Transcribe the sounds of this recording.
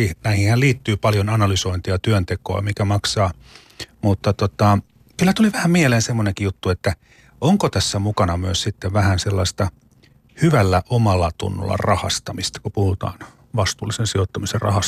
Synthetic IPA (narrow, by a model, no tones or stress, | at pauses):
inæihĩhælliːt̪ːyːpɑljonɑnɑlysoint̪iɑt̪yønt̪ekoɑ̰mikæmɑksɑː | mut̪ːɑt̪ot̪ɑ | kylːæt̪uliʋæhæmmieleːnsemːoneŋkijut̪ːuet̪ːæ | oŋkot̪æsːæmukɑnɑmyøssit̪ːeʋʋæhænselːɑist̪ɑ | hyʋælːæʔomɑlːɑt̪ṵnːṵlːɑ̰rɑhɑ̰st̪ɑmist̪ɑ̥kupuhut̪ɑ̰ːn | ʋɑst̪uːlˑisensiot̪ːɑmiserrɑ̰hɑs